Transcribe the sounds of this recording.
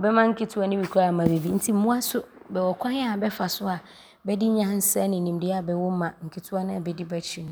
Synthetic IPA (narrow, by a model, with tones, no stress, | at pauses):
ɔ˨bɛ˦mã˦ŋ̩˦kʰɪ˦tʰʊ˦a˦nɪ̃˦bi˨kʰa˦˨mã˨ɾe˨vi˨n̩˦tʰi˦m̩˦ũ˦a˦sʊ˦bɛ˨wɔ˨kʰʷã˦n˦a˨bɛ˦fa˨sʊ˦a˨ | bɛ˦dɪ˦ɲã˨˦n̩˦sɛ˦nɪ̃˨nĩ˨m˨dɪ˦a˨bɛ˨wɔ˦mã˨ŋ̩˨kʰi˨tʰʊ˦a˦nʊ̃˦a˨bɛ˨dɪ˦bɛ˦t͡ɕʰi˨nʊ̃˦